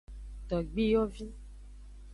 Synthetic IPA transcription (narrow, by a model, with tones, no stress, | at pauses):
tɔ˨ɡ͡bi˦jɔ˦vi˦